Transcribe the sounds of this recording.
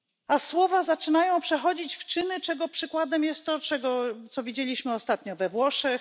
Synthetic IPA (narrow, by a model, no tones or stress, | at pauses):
aswɔvazat͡ʂɘnajɔ̃w̃pʂɛxɔd͡ʑit͡ɕft͡ʂɘnɘt͡ʂɛɡɔpʂɘkwad̪ɛmjɛst̪ːɔt͡ʂɛɡɔt̪sɔvʲid͡ʑelʲiɕmɘɔst̪at̪ɲɔvɛvwɔʂɛx